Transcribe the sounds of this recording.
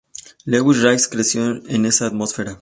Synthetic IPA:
leɣwiʃɾajskɾesjoenesaːt̪mosfeɾa

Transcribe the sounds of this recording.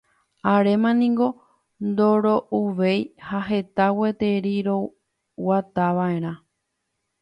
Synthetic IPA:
aɾe̞mãnĩŋɡo̞ | nd̪o̞ɾo̞ʔuʋe̞jhaɦe̞t̪awe̞t̪e̞ɾiɾo̞ | wat̪aʋae̞ɾ̃ã

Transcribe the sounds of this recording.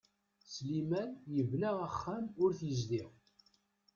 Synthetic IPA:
slimænjəvlaəχːæmʊɾθjəzd̪iʁ

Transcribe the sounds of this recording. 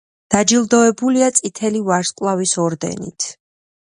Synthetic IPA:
d̪̥ad͡ʒilˠd̪ɔɛbuliat̪sʼit̪ʰɛlivaɾskʼlˠavisɔɾd̪ɛ̰nḭt̪ʰ

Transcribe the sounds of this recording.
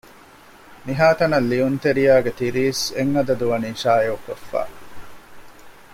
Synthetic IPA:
miɦaːt̪ɐnɐlːiunt̪eɾijaːɡet̪iɾiːseŋːɐd̪ɐd̪uʋɐninʃaːeokofːa̰ː

